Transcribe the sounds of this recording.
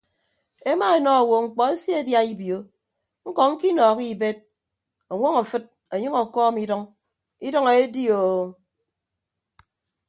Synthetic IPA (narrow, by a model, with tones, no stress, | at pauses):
e˦ma˦e˨nɔ˦˨wo˨ŋ͡m̩˨k͡pɔ˨e˦sje˦e˨dja˦i˦bjo˨˦ | ŋ̩˦kɔ˨ŋ̩˦ki˦nɔː˨ki˦be˦t̚ | o˨ŋʷɔ˦ŋa˨fɨ˦t̚ | e˨ɲɨ˦ŋo˨kɔː˦mi˦dɔ˦ŋ | i˦dɔ˦ŋe˨e˦di˦o˨